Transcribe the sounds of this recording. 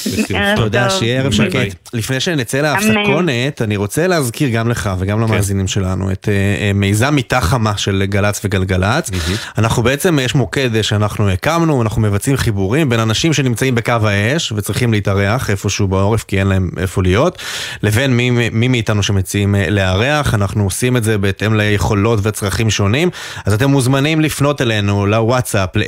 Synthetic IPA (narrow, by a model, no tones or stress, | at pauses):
bt̪od̪aʃejeeʁevʃaketlifnejʃenet͡seleafsako̞netaniʁo̞t͡selehazkiʁɡamle̞χaveɡamlamaːzinimʃe̞lanṵḛtemejzamit̪aχamaʃe̞lɡalat͡sveɡalɡalat͡sanaχnubeet͡se̞mjeʃmo̞ked̪ʃeanaχnuekamnuanaχnume̞vat͡simχibuʁimbe̞nanaʃimʃe̞nimt͡saimbekavhae̞ʃvet͡sʁiχimleitaʁe̞aχe̞fo̞ʃeubeo̞ʁefkienlae̞mʔḛfolijo̞tle̞ve̞nmimimiːtanuʃemet͡siimle̞aʁeaχanaχnuosime̞tze̞beete̞mlejeχo̞lo̞tveat͡sʁaχimʃo̞nim | azat̬e̞mːuzmanimlifno̞tele̞nulawatsaple